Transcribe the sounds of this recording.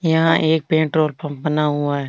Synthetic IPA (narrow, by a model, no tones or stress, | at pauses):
jɐɦãʔeːk̚pẽːɳʈɾoːlpəbɐnaɦʊaɦɛː